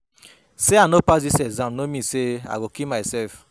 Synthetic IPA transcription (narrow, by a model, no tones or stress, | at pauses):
seanopasisɛzãmnomĩsea̰ɡokimasɛlf